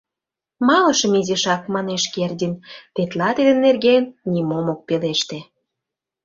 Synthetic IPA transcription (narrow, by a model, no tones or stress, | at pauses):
mɑlə̆ʃə̆mizeʃɑkmɑneʃkerd̪ʲint̪et̪lɑt̪id̪ə̆nːerɣenːʲimomok̚peleʃt̪e